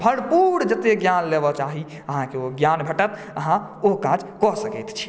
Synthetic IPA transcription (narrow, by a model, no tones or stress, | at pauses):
bʱəɽpuɽd͡ʒət̪eɡjanlebɔt͡ʃaɦi | əɦãkeoɡjanbʱəʈət̪ | əɦãoɦkad͡ʒkɔsəkɛjt̪t͡ʃʰi̥